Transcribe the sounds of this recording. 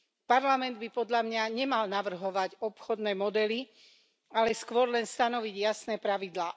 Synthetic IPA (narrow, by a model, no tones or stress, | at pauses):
paɾlamɛnd̪bipɔd̪ʎamɲaɲɛmalnaʋr̩ɦɔʋaɟɔpxɔd̪nɛːmɔd̪ɛli | alɛskʋɔɾlɛnst̪anɔʋiɟjasnɛːpɾaʋid̪laː